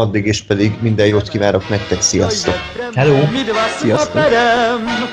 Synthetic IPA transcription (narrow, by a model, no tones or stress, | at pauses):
ɒd̪ːiɡeːʃpɛd̪iɡmind̪ɛjjoːt̪kivaːɾo̞knɛkt̪ɛksijɒst̪o̞khɛloːijɒst̪o